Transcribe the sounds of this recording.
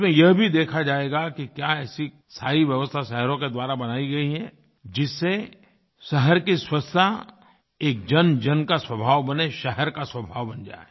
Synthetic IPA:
mẽjɐɦbʱid̪eːkʰad͡ʒaːeːɡakikjaɛːsi | saːiʋjɐʋəst̪ʰaʃɛɦɛɾõked̪waːɾabɐnaːiɡɐiɦɛ | d͡ʒɪsːe | ʃɛɦɛɾkiswɐst̪ʰa | eːk̚d͡ʒɐnd͡ʒɐnkaswɐbʱaːʋbɐneʃɛɦɛɾkaswɐbʱaːʋbɐnd͡ʒa̰ːe

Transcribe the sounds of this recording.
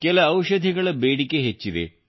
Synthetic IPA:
kelɐɐwʃɐd̪ʱiɡɐɭɐbeːɽikeɦet͡ʃːid̪ḛ

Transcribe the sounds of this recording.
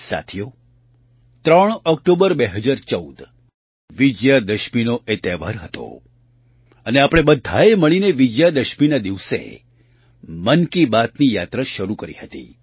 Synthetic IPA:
sa̰t̪ʰijo | t̪ɾəɳ̃ɔk̚ʈobəɾbeɦəd͡ʒaɾt͡ʃəud̪ | ʋid͡ʒjad̪əʃminoʔet̪eʋa̰ɾɦət̪o̰ | əneapəɽ̃ebəd̪ʱːaeməɭineʋid͡ʒjad̪əʃminad̪iʋsḛ | mənkibat̪nijat̪ɾaʃəɾukəɾḭɦət̪ḭ

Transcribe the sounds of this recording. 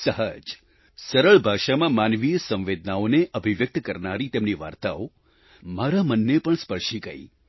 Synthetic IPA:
səɦəd͡ʒ | səɾəɭbʱaʃamãmanʋijəsə̃ʋʋed̪ʱnaoneʔəbʱiʋjək̚t̪kəɾnaɾit̪emniʋa̰ɾt̪ao | maɾamənːepəɳspəɭʃiɡə̰i

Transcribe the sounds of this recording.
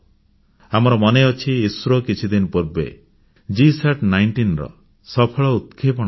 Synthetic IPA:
amɔɾɔmɔneɔt͡ʃʰiːsɾokit͡ʃʰud̪inpuɾbḛ | d͡ʒiseʈnajɳʈinɾɔ̰ | sɔpʰɔɭɔut̪̚kʰepɔɽ̃

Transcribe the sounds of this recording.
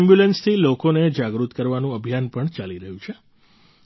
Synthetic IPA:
mbjulenst̪ʰilokoned͡ʒaɡɾut̪kəɾʋanũəbʱjanpəɳt͡ʃaliɾəɦjũt͡ʃʰe

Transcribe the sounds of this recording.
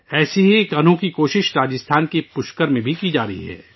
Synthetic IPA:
ɛːseɦikɐn̤õkikoːʃɪʃɾaːd͡ʒɪst̪ʰaːnkepʊʃkəɾmẽbʱikid͡ʒaːɾəḭɦɛ̰ː

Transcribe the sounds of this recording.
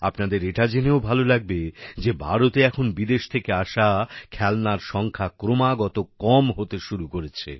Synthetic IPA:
apnad̪eɾeʈad͡ʑeneobʱalolaɡ̚bed͡ʑebʱaɾot̪eɛkʰonbid̪eʃt̪ʰekeaʃakʰɛlnaɾʃɔŋkʰakɾomaɡɔt̪okɔmɦot̪eʃuɾukoɾet͡ɕʰḛ

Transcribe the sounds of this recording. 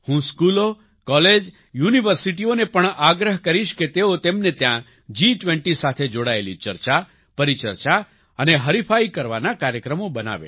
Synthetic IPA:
hũskulo | kɔled͡ʒ | juniʋəɾsiʈionepəɳaɡɾəɦkəɾiʃket̪eot̪emnet̪jã | d͡ʒiʈʋẽɳʈisat̪ʰed͡ʒoɽaelit͡ʃəɾt͡ʃa | pəɾit͡ʃə̰ɾt͡ʃa | əneɦəɾipʰaikəɾʋanakaɾjəkɾəmobəna̰ʋḛ

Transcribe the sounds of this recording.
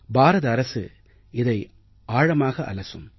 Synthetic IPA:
baːɾɐðɐːɾɐsɯ̰ | ɪðɐɪ | aːɻɐmaːɣɐʔɐ̰lɐsɯm

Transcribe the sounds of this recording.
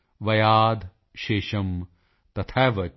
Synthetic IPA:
ʋɐjaːd̪ʱ | ʃeːʃɐm | t̪ɐt̪ʰaːʋɐ

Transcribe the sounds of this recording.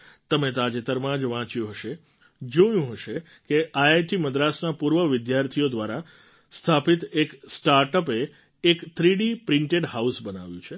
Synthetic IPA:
t̪əmet̪ad͡ʒet̪əɾmãd͡ʒʋãt͡ʃjũɦəʃe | d͡ʒojũɦəʃe | keajajʈiməd̪ɾasnapuɾʋəʋɪd̪jaɾt̪ʰijod̪ʋaɾa | st̪ʰapit̪eksʈaɾʈəpeː | kt̪ʰɾiɖipɾɪ̃ɳʈeɖɦausbəna̰ʋjũt͡ʃʰe

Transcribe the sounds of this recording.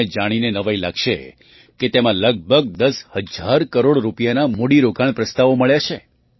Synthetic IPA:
ed͡ʒaɽ̃inenəʋajlakʃḛ | ket̪emãləɡ̚bʱəɡ̚d̪əshəd͡ʒʱaɾkəɾoɽɾupijanamoɽiɾokaɳ̃pɾəst̪aʋoməɭjat͡ʃʰe

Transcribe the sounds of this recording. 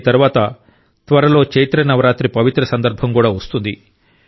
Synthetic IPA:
t̪ɐɾuʋaːt̪ɐ | t̪ʋɐɾɐlo̞ːkt͡ʃejt̪ɾɐnɐʋɐɾaːt̪ɾipɐʋit̪ɾɐsɐnd̪ɐɾbʱɐmkuːɽaːʋɐst̪und̪ḭ

